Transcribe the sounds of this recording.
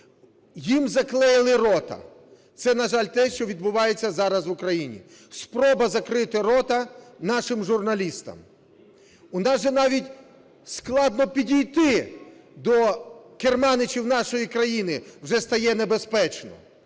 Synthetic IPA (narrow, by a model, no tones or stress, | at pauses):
jimzɐklˠɛjlˠɪɾɔt̪ɐ̰ | t̪sɛnɐʒɑlʲt̪ɛʃt͡ʃɔʋʲid̪̚bʊʋɑjet͡sʲːɐzɑɾɐzʋʊkɾɐjinʲḭ | spɾɔbɐzɐkɾɪt̪ɪɾɔt̪ɐnɑʃɪmʒurnɐlʲist̪ɐ̰m | ʊnɑʒɛnɑʋʲitʲ | sklˠɑd̪nɔpʲidʲijt̪ɪd̪ɔkermɑnɪt͡ʃiwnɑʃɔjikɾɐjinɪwʒɛst̪ɐjɛnebespɛt͡ʃnɔ̰